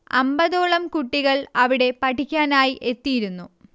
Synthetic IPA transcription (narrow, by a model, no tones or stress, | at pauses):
ɐ̰mbɐðoːɭɐmkuʈːiɣɐɭɐʋiɽe̞pɐʈikʲːaːnaːjiʔe̞t̪ːijiɾunːu